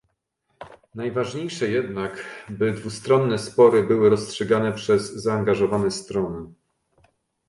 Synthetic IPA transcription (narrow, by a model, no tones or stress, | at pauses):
najvaʐɲejʂɛjɛd̪nakbɘd̪vust̪ɾɔnːɛspɔɾɘbɘwɘɾɔstʂɛɡan̪ɛpʂɛzːaːŋɡaʐɔvanɛst̪ɾɔnɘ